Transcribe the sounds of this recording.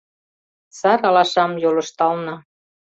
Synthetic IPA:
sɑɾɑlɑʃɑmjolɤ̆ʃt̪ɑlnɑ

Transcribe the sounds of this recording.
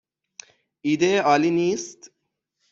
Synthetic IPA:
iːd̪eɒːliːniːst̪

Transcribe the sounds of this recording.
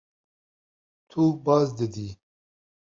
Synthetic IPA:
t̪ʰubɑːzd̪əd̪i

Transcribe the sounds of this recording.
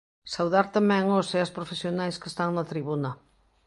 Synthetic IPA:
sawðaɾt̪amɛ̃ŋoseaspɾofesjonajskest̪aŋnɐt̪ɾiβunɐ

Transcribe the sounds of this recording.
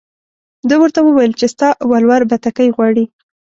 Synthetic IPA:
d̪əwəɾt̪awəwajəlt͡ʃest̪ɑʔwalwaɾbat̪akəjɣwɑɽi

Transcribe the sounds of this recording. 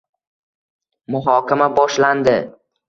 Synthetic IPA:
mʊɦɒkʲɪmabɒʃland̪ɪ

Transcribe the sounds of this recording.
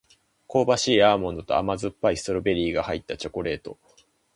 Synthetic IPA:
ko̞ːbaɕiːaːmõ̞nd̪o̞t̪o̞̰a̰mazɨpːaist̪oɾɯbe̞ɾʲiːɡahait̪ːat͡ɕo̞ko̞ɾe̞ːt̪o̞

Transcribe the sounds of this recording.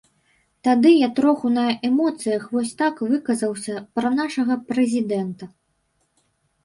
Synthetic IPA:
t̪ad̪ɨjat̪ɾɔxunɐʔɛmɔt̪sɨjɐxvɔsʲt̪akvɨkɐzɐwsʲɐpɾɐnaʂɐɣɐpɾɛzʲid̪ɛnt̪ɐ

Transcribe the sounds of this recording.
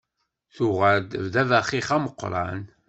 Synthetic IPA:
θʊʁaɾd̪əvd̪ævæχiχæməqːɾˤɑ̰n

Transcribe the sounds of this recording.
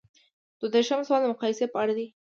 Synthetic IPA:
d̪̥wod̪eɾʃəmswɑld̪əmʊqɑjɪsepəaɽad̪i

